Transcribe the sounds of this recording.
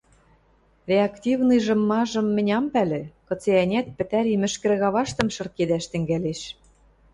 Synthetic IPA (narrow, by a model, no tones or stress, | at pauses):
rʲeɑkt̪ʲivnɨjʒɤ̆mːɑʒɤ̆mːɘ̆nʲɑmpælĕkɤ̆t͡seænʲæt̪̚pɘ̆t̪æɾimɘ̆ʃkɘ̆ɾɣɑβɑʃt̪ɤ̆mʃɤ̆rked̪æʃt̪ɘ̆ŋɡæleʃ